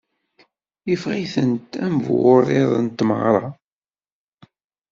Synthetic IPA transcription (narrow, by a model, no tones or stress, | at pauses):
ifʁiθənt̪æmvwʊɾˤɪðˤə̰nt̪ːmə̰ʁɾˤɑ